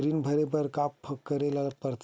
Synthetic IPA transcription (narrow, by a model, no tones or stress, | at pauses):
ɾinbʱəɾepəɾkaːppʰəkːəɾelɐɡət̪̚pəɾt̪ʰ